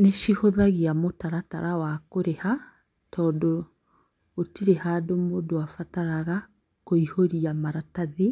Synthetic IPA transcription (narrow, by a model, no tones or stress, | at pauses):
neʃihoðaɣiamotaɾata̰ɾawakoɾeha | tʰɔːdɔː | tiɾehadomodoafataɾaɣa | koihoɾiamaɾataðe